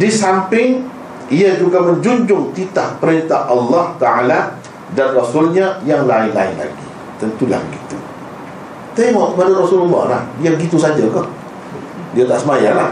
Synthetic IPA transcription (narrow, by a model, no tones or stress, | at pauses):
disampɪŋ | iad͡ʒuɡamənd͡ʒuɲd͡ʒʊŋt̪it̪ahpəɾent̪aʔɑlːɑht̪aʕala | danrɔsʊlɲajaŋlaɪnla̰ɪ̰nla̰ɡḭ | t̪ənt̪ula̰həɡit̪u | t̪emɔʔkəpadaɾɔsulɔlːɑ̰hla̰hdiaɡit̪usad͡ʒaka | diat̪aʔsəmajalah